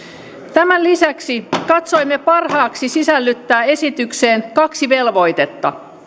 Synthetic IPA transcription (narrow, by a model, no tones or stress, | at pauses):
t̪æmænlisæksikɑt̪so̞jmːe̞pɑrhɑːksisisælːyt̪ːæːe̞sit̪ykse̞ːnkɑksiʋe̞lʋo̞jt̪e̞t̪ːɑ̰